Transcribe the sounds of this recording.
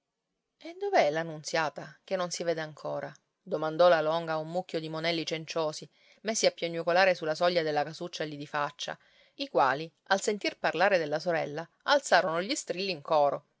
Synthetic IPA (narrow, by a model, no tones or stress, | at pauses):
ed̪oveɛlanːunt̪sjaːt̪ak̟enːonsiveːd̪eaŋkʰoːɾʔa | d̪omand̪ɔlalɔŋɡaumːukʰʲːod̪imonɛlːit͡ʃent͡ʃoːsi | mesːiapːjoɲːukolaːɾesulːasɔʎːad̪elːakasut͡ʃːalid̪ifat͡ʃːa̰ | ikwa̰ːli | alsent̪irparlaːɾed̪elːasoɾɛlːa | alt̪saːɾonoʎist̪ɾilːiŋkɔːɾo